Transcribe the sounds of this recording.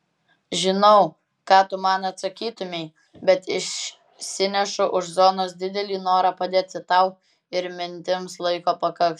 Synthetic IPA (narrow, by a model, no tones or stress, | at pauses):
ʒʲɪnɐʊ | kɑːt̪ʊmɑnɐt̪sɐkʲiːt̪ʊmʲɛɪ | bʲɛt̪ɪʃ | sʲɪnʲɛʃʊʔʊʃzoːnoːs̬d̪ʲɪd̪ʲɛlʲiːnoːɾɑːpɐd̪ʲeːt̪sʲɪt̪ɐʊ | ɪɾmʲɪnʲt̪ʲɪmslˠɐɪkoːpɐkɐk